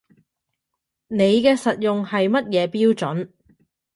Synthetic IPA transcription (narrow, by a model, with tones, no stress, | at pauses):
ne˨˧jkɛː˧sɐ˨t̚jʊ˨ŋhɐ˨jmɐ˥t̚jɛː˨˧piː˥wt͡ʃɵ˨˥n